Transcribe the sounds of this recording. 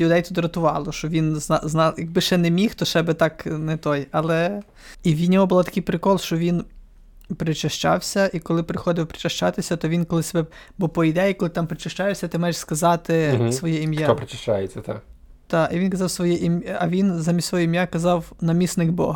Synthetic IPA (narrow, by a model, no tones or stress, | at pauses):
lʲʊd̪ɛjt̪ʲʊd̪ɾɐt̪ʊʋɑlˠɔʃt͡ʃɔʋʲinznɑznɑjɐɡ̚bɪʃɛnɛmʲixt̪ɔʃɛbɪt̪ɑknɛt̪ɔjɐlˠɛ | iwʲid̪ʲnʲɔɦɔbʊlˠat̪ɐkɪjpɾɪkɔlˠʃt͡ʃɔʋʲin | pɾɪt͡ʃɐʃt͡ʃɑ̰wsʲɐʔikɔlˠɪpɾɪxɔd̪ɪwpɾɪ̥t͡ʃɐʃt͡ʃɑt̪ɪsʲɐt̪ɔʋʲinkɔlˠɪsʲebɛbɔpɔid̪ɛjikɔlˠɪt̪ɑmpɾɪt͡ʃɪʃt͡ʃajɛʃsʲɐt̪ɪmɑjɪʃskɐzɑt̪ɪsʋɔjɛimjaɔpɾɪt͡ʃɪʃt͡ʃajet͡sʲːɐt̪a̰k | t̪ɑiʋinkɐzɑwsʋɔjɛʔimɐʋʲinzɑmʲist̪sʋɔɦuimjakɐzɑwnɐmʲisnɪɡbɔ̰ɦɐ